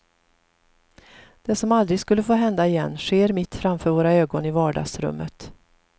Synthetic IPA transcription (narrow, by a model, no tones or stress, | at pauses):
d̪̥ɛsɔmald̪ɾɪɡskɵlːəfoːɦɛnd̪aɪjɛnːɧeːɾmɪt̪ːfɾamfœːɾvoːɾaøːɡɔnɪvɑːɖɑ̰ːɡsɾɵ̰mːət̪